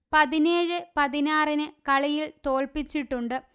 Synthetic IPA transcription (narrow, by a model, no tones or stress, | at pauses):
pɐðineːɻɨpɐðinaːrinɨkɐɭɐjilt̪o̞ːɭpit͡ɕːiʈːuɳɖɨ